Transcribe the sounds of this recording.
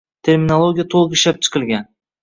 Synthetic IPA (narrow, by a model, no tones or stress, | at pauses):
t̪ʰe̞ɾmʲinolˠoɡʲijat̪ʰolˠqɪʃlap̚t͡ʃʰɨ̥qʰɨlˠɡʲan